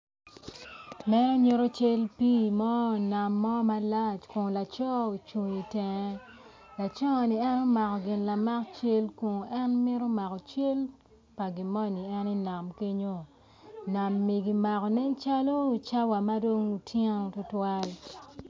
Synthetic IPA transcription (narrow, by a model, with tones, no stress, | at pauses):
mɛ˦ɾɔ˦ɲo˦ɾo˦t͡ʃe˦lpi˦mɔ˦˨na˨mːɔ˦ma˦la˦t͡ʃko˨ŋ˨la˨t͡ʃɔ˦u˨t͡ʃu˨ɲi˨tɛ˨ɛ˦ | la˨t͡ʃɔ˦˨ni˨ɛ˦no˦ma˨kɔ˨ɡɪ˨nla˨ma˦kt͡ʃe˦lko˨ŋ˨ɛ˦nmɪ˦ɾo˦ma˨kɔ˨t͡ʃe˦l | pa˨ɡɪ˨mɔ˦ni˨ɛ˦ni˦na˨mke˦ɲo˦ | na˨mːi˨ɡi˨ma˨kɔ˨nɛ˦nt͡ʃa˦lo˦u˨t͡ʃa˦wa˨ma˦do˦ŋu˨tʰje˦ŋ˨tʊ˦twa˦l